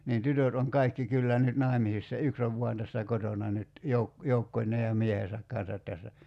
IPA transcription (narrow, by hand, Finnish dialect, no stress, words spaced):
niːn tytøt oŋ kɑikːi kylːæ nyt nɑˑi̞misisːɑ yks oʋ ʋuɑn tæsːæ kotonɑ nyt jouk joukːonʲˑeː jɑ miehesæk kɑn̞sɑt tæsːæ